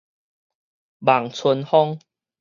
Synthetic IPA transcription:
ba˨˩ŋt͡sʰu˧nhɔ˦˥ŋ

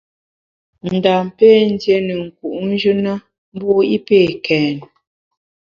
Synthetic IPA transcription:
n̩˨da˨m˨pe˦n̩˦dje˦nə˨ŋ̩˨ku˨ʔn̩˦d͡ʒʉ˦na˦ | m˦bo˦i˦peː˦˨kʰɛː˨n

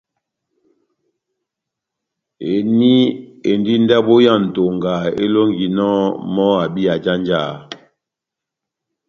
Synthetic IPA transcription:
e˨ni˦e˨ndi˦n˦dɛ˦ɓo˦ja˦˨n̩˨to˨ŋɡa˨ḛ˦lo˦ŋɡi˨nɔ˦mɔ˦a˨bi˦a˨d͡ʒa˦nd͡ʒa˦˨

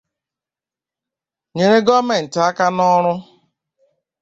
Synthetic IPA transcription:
ɲe˨ɾe˦ɡɔ˦me˨n̩˨ta˦ka˦nɔ˦ɾʊ˦

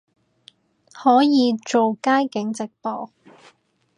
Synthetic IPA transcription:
hɔː˨˥jiː˨˧t͡so˨wkaː˥jkɪ˨˥ŋt͡sɪ˨k̚pɔː˨

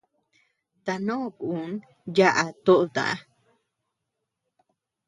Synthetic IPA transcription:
t̪a˨nõ˦ku˨n | ja˦ʔa˨t̪o˦ʔt̪a̰˨ʔa̰˦

